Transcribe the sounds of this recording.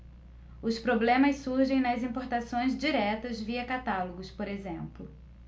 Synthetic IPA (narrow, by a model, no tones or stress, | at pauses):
ʊspɾoblẽmɐssuɾʒẽj̃nɐzĩpoɾt̪asõj̃zd͡ʒiɾɛt̪ɐzviɐkat̪aloɡʊspoɾezẽmplʊ